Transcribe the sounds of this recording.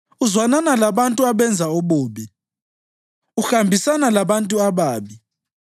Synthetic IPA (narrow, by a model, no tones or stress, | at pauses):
uzwananalaɓantʼuaɓɛnd͡zʱaoɓuːɓɛ | uxambʱisanalaɓantʼuaɓaːɓi